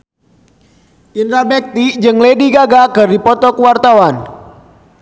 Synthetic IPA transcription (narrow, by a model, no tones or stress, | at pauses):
ʔind̪ɾabɛk̚t̪id͡ʒɨŋlediɡaɡakɨrdipɔt̪ɔkwart̪awan